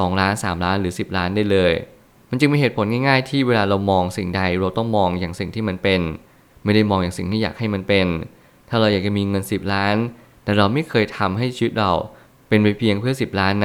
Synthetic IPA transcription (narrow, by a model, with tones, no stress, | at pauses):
sɔː˩˦ŋɾaː˦˥nsaː˩˦mɾaː˦˥nɾɯː˩˦si˨˩p̚laː˦˥ndaː˥˩jlɤː˧j | ma˧nt͡ɕɯ˧ŋmiː˧ɦeː˨˩t̪pʰo˩˦nŋaː˥˩jŋaː˥˩jt̪ʰiː˥˩weː˧laː˧ɾa˧wmɔː˧ŋsi˨˩ŋda˧jɾa˧wt̪ɔ˥˩ŋmɔː˧ŋjaː˨˩ŋsi˨˩ŋt̪ʰiː˥˩ma˧npe˧n | ma˥˩jda˥˩jmɔː˧ŋjaː˨˩ŋsi˨˩t̪ʰiː˥˩ja̰ː˨˩k̚ha˥˩jma˧npe˧n | t̪ʰaː˥˩ɾa˧wjaː˨˩k̚t͡ɕa˨˩miː˧ŋɤ˧nsi˨˩p̚ɾaː˦˥n | t̪ɛː˨˩ɾa˧wma˥˩jkʰɤː˧jt̪ʰa˧mɦa˥˩jt͡ɕʰiː˧wi˦˥t̪̚ɾa˧w | pe˧nwa˧jpʰi˧əŋpʰɯ˥˩ɐsi˨˩p̚ɾaː˦˥nː˧